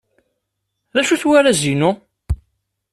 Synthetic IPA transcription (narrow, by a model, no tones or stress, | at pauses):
ðæʃuθwaɾæzinu